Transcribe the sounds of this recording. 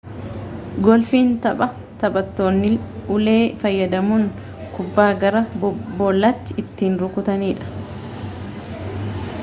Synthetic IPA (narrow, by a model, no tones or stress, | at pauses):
ɡɔlfiːnt̪ɐpʼɐ | t̪ɐbɐt̪ːoːnːɪʊleːfɐjːɐd̪ɐmun | kʊbːaːɡɐɾɐboːlːɐt̪ːɪɪt̪ːiːnɾʊkʊt̪ɐniːᶑɐ̥